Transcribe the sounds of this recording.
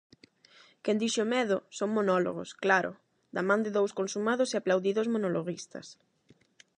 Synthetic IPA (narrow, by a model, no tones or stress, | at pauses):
kɛnd̪iʃomɛðʊsoŋmonɔlo̰ɣ̞o̰sklaɾʔo̰ | d̪amãnd̪ɪðowskonsumað̞oseaplawðiðozmonoloɣist̪ɐ̰s